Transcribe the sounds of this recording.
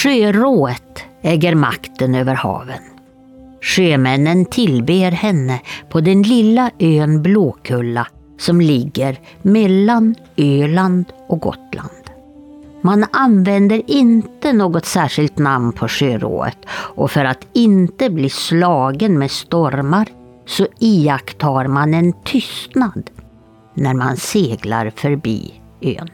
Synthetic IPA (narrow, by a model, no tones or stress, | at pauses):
ʂøːɾoːət̪ɛːɡəɾma̰kt̪ənøːvəɾhɑ̰ːvən | ʂøːmɛnːənt̪ʰɪlbeːɾhɛnːəpʰɔd̪ɛnlɪlːaʔøːnbloːkʰɵlːa | sɔmlɪɡːəɾ | mɛlːan | øːland̪ɔk̚ɡɔ̰t̪la̰nd̪̥ | mananvɛnd̪əɾɪnt̪ənoːɡɔt̪sæːʂɪlt̪namnpʰɔʂøːɾo̰ːə̰t̪ʔɔfœɾat̪ɪnt̪əbliːslɑːɡənmeːd̪st̪ɔɾmaɾ | sɔiakt̪ʰhɑːɾmanɛnt̪ʰʏst̪nad̪ | næɾma̰nseːɡla̰ɾfœɾbḭː | ø̰ːn